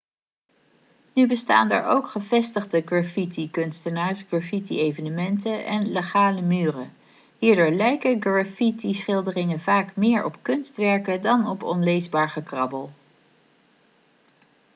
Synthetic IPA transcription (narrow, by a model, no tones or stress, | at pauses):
nybəsta̰ːndə̰ːɹowkχəvɛstəχdəɡrafitikɵnstənaːɹsɡ̥rafitiejvənəmɛntəʔɛ̰nleχaːləmyːrə | ɦiːɹdʊːɹlɛjkəɡrafitisχɪlˠdərɪŋənvaːkmɪːɹɔpkɵnstʋɛɹkədɑnɔpɔnlejzbaːɹχəkrɑbəlˠ